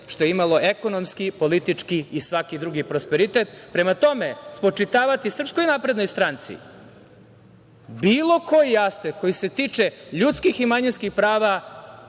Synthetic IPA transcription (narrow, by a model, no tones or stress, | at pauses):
ʃt̪o̞jeimalo̞ʔeko̞nomskipo̞lit̪it͡ʂkiːsʋakid̪ɾuɡipɾospeɾit̪et̪pɾe̞mat̪o̞mespot͡ʂit̪aːʋat̪isr̩psko̞jnaːpɾe̞d̪no̞jst̪ɾant̪sḭ | biːlˠo̞ko̞jijast̪eko̞jise̞t̪it͡ʂeʎut̪skiximaɲinskixpɾaːʋa